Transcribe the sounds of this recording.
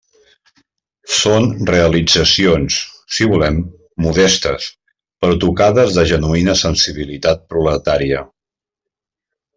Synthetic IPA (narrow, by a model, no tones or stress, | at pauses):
sonreəlid͡zəsionsː | iβulɛmː | uðɛst̪ə̰s | pəɾɔt̪ukaðəzðəʒənuinəsənsiβ̞ilit̪at̪̚pɾulət̪aɾiə